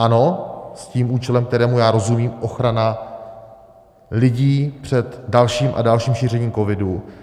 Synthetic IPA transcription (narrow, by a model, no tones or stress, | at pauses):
ʔanosciːmʔuːt͡ʃɛlɛmk̚t̪ɛɾɛːmujaːɾo̞zumiːmʔo̞xɾana | lɪɟiːpr̥ɛt̪dalʃiːmʔa̰dalʃiːmʃiːrɛɲiːmko̞vɪdu